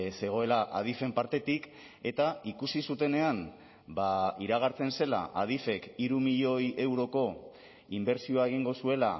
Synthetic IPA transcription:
se̞ɣ̞o̞e̞laʔa̰ð̞ife̞mpaɾt̪e̞t̪ik | e̞t̪aikusisut̪e̞ne̞an | baiɾaɣ̞aɾt͡se̞nse̞la̰ʔað̞ife̞kiɾumiʎo̞jʔe̞wɾo̞ko̞ | imbe̞ɾsio̞aeɣ̞iŋɡo̞sue̞la

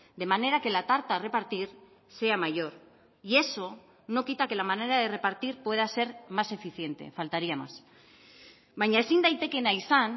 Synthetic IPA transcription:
d̪e̞mane̞ɾake̞lat̪aɾt̪are̞paɾt̪iɾ | se̞amaʝo̞ɾ | ie̞so̞ | no̞kit̪ake̞lamane̞ɾaðe̞re̞paɾt̪iɾpwe̞ðase̞ɾmase̞fiθje̞nt̪e̞̰falt̪aɾiama̰s | βajɲae̞sind̪ajt̪e̞ke̞naisan

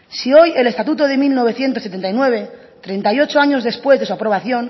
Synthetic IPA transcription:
sio̞je̞lest̪at̪̬ut̪oðe̞milno̞β̞e̞θjent̪oset̪e̞nt̪ajnwe̞β̞e̞ | t̪ɾe̞nt̪ajo̞t͡ʃoaɲo̞zðe̞spwe̞zðe̞suapɾo̞β̞aθjo̞n

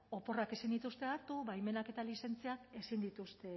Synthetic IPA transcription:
o̞po̞rake̞sind̪it̪ust̪e̞aɾt̪uβajme̞nake̞t̪alise̞nt͡siake̞sind̪it̪ust̪e̞

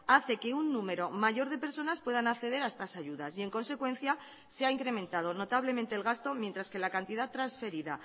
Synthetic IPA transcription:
aθe̞ke̞unːũme̞ɾo̞maʝo̞ɾð̞e̞pe̞ɾso̞naspwe̞ð̞anakθe̞ðe̞ɾae̞st̪asaʝuðasie̞ŋko̞nse̞kwẽ̞nθja | seaiŋkɾe̞mẽnt̪að̞o̞no̞t̪aβle̞ment̪e̞ːlɣast̪o̞mje̞nt̪ɾaske̞lakant̪iðat̪ːɾansfe̞ɾiða

